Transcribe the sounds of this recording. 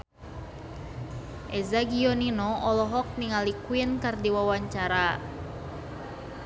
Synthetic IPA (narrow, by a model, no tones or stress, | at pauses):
ʔɛzaɡiɔninɔɔlɔɦɔk̚niŋalikuinkardiwawaɲt͡ʃaɾa